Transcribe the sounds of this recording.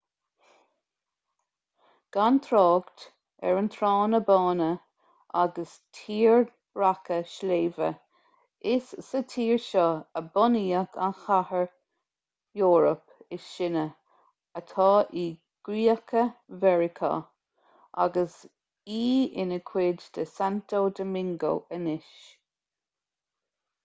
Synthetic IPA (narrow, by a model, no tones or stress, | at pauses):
ɡ̥ant̪ʰɾɑːɡt̪ | ɛ̰ɹənt̪ʰɾɑːnəbɑːnə | aɡəs | tʰiːɹ | ɹakəʃleːvə̰ | ɪsːətʰiːɹʃɔəbɔniːəkʰa̰nxahəɹ | jɔːɹəpɪʃɪnə | ət̪ʰɑːʔiː | ɡ̥ɾiːəkʰəvɛɹɪkʰa̰ | a̰ɡəs | iːɪnəkʰwɪdd̪̥əsant̪oːd̪əmɪŋɡo̰ːʔənɪʃ